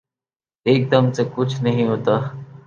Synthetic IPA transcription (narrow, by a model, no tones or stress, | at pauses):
eːk̚d̪əmsekʊt͡ʃʰnəɦĩɦoːt̪aː